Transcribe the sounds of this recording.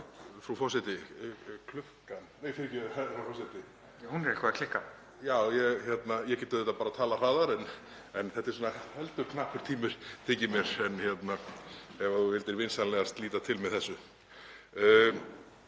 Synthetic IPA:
fɾawfɔsɛt̪ɪkʰlʏpkanɛfɪɾcɛfɾawfɔsɛt̪ɪ | ahunɾɛlkʰvaðakʰlɪkːa | jaːwjɛɣçɛt̪najɛcɛːt̪ʏðɛht̪ːapaɾat̪ʰaːlar̥aːðaɾɛn | ɛnθɛt̪ːɛɾsuːnahɛlt̪ʏɾkʰnaːpʰʏɾ̥t̪ʰiːmʏɾ̥t̪ʰɪcɪmjɛɾ̥ɛnçjɛt̪naɛvauvɪlt̪ɪɾvɪnsanlɛɣast̪liːt̪at̪ʰɪlmɛðθɛsːʏ

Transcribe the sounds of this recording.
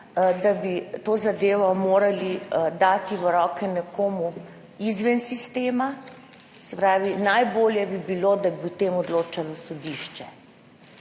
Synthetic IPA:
d̪abit̪oːzad̪eːʋɔmoːɾalid̪aːt̪iʋəɾɔːkɛnɛkoːmu | izʋɛnsist̪eːma | sɛpɾaːʋinajboːljɛbibilod̪abiut̪eːmɔd̪loːt͡ʃalɔsɔd̪iʃt͡ʃɛ

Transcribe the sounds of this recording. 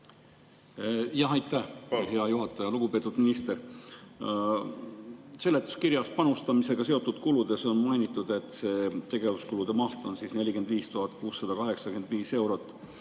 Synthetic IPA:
jɑɦɑjt̪ːˑæhheɑjuɦɑt̪ːˑɑjɑluɡ̥upe̞ːt̪ːˑud̪minist̪e̞ɾ | se̞lːe̞t̪ːˑu̥skiɾjɑspɑnust̪ɑmise̞ɡ̥ɑse̞ot̪ːˑud̪̥kulud̪̥e̞so̞nmɑjnʲit̪ːˑud̪̥e̞t̪ːˑse̞t̪e̞ɡ̥e̞vuskulud̪̥e̞mɑht̪o̞nsisne̞lʲike̞nd̪̥viːst̪uɦɑt̪ːˑkuːsːɑd̪̥ɑkɑɦe̞ksɑke̞nd̪̥viːse̞wɾo̞t̪ːˑ

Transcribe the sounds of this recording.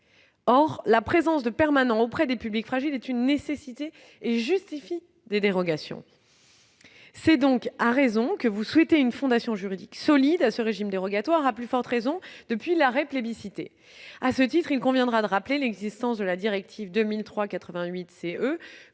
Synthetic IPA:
ɔʁlapχezɑ̃sd̪əpɛʁmanɑ̃opχɛd̪epyblikfχaʒilɛt̪ynːesesit̪eː | ʒyst̪ifi | d̪ed̪eʁɔɡasjɔ̰̃ | sɛd̪ɔ̃kaʁezɔ̃kəvuswɛt̪eynfɔ̃d̪asjɔ̃ʒyʁid̪iksɔlid̪asəʁeʒimd̪eʁɔɡat̪waʁaplyfɔʁt̪ʁezɔ̃d̪̥əpɥilaʁɛplebisit̪ḛ | asət̪it̪χilkɔ̃vjɛ̃d̪ʁad̪əʁaplelɛɡzist̪ɑ̃sd̪əlad̪iʁɛk̚t̪ʰivd̪əmilt̪χwakat̪χəvɛ̃ɥit̪seø

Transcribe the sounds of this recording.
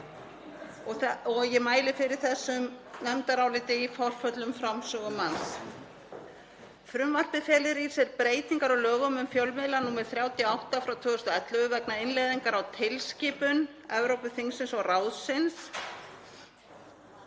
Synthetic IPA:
ɔjɛmaːjlɪfɪɾɪɾ̥θɛsːʏmnɛmt̪aɾaːwlɪːt̪ɪifɔr̥fœt̪lʏmfɾamsœːɣʏmans | fɾʏmval̥p̪ɪfjɛːlɪɾi̥sɛɾpɾeːjt̪iŋkaɾɔlœːɣʏmʏmfjœwlmɪðlanumɛ̥θɾjaːwt̪ɪawht̪afɾawt̪ʰvʏːðʏst̪ʏɛt̪lʏɣʏvɛknaɪnlejðiŋkaɾawt̪ʰɪlsciːpʏn | ɛvɾowpʏθiŋsɪnsɔɣraːwðsɪns

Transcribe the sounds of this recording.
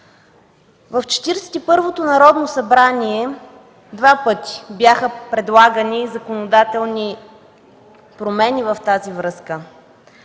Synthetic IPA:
vəft͡ʃɛ̥t̪iɾsɛ̥t̪ipɤɾvot̪onɐɾɔd̪nosɐbɾaniɛ | d̪vapɤt̪i̥bjaxəpɾɛd̪lˠaɡənizɐkonod̪at̪ɛlˠni | pɾomɛnivɐft̪azivɾɤskə

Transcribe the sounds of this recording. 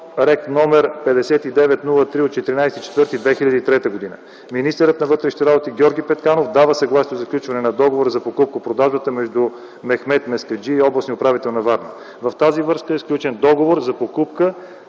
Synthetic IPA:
ɾɛknɔmɛɾpɛd̪ɛsɛt̪id̪ɛvɛt̪nulˠət̪ɾiot̪̚t͡ʃɛt̪iɾinajsɛt̪it͡ʃɛ̥t̪vɤɾt̪id̪vɛxilʲɐd̪it̪ɾɛt̪əɡod̪inə̰ | minist̪ɛɾət̪nɐvɤt̪ɾɛʃnit̪ɛɾabot̪iɡʲɔɾɡʲipɛt̪kanofd̪avəsɐɡlˠasiozɐfklʲut͡ʃvɐnɛnɐd̪ɔɡovoɾəzɐpokup̚kəpɾod̪aʒbət̪əmɛʒd̪u | mɛxmɛt̪mɛskɐd͡ʒiːɔblˠɐsniʊpɾavit̪ɛlˠnɐvaɾnə̰ | vɐft̪azivɤɾskəɛsklʲut͡ʃɛnd̪ɔɡovoɾzɐpokupkə

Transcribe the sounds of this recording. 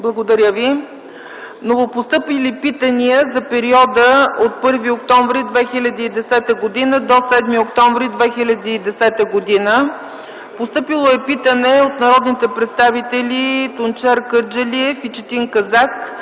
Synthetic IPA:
blˠəɡod̪ɐɾʲjəvi | novopost̪ɤpilipit̪əniəzɐpɛɾiɔd̪əot̪̚pɤɾviokt̪ɔɱvɾid̪vɛxilʲəd̪iːd̪ɛsɛt̪əɡod̪inəd̪osɛd̪miokt̪ɔɱvɾid̪vɛxilʲɐd̪iːd̪ɛsɛt̪əɡod̪inə | post̪ɤpilˠoɛpit̪ənɛot̪nɐɾɔd̪nit̪ɛpɾɛt̪st̪avit̪ɛlʲit̪ʊnt͡ʃɛɾkəɾd͡ʒəliɛfit͡ʃɛt̪iŋkɐzak

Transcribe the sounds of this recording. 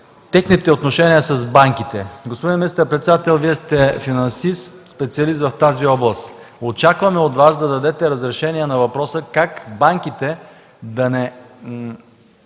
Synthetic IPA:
t̪ɛxnit̪ɛot̪noʃɛniəsɐzbaŋkit̪ɛɡospod̪inminist̪əɾpɾɛt̪sɛd̪at̪ɛlˠviɛst̪ɛfinɐnsist̪spɛt̪siɐlist̪vɐft̪aziɔblˠəst̪ | ot͡ʃakvɐmɛot̪vasd̪ɐd̪ɐd̪ɛt̪ɛɾɐzɾɛʃɛniɛnɐvɐpɾɔsəkakbaŋk̟it̪ɛ | d̪ɐnɛ

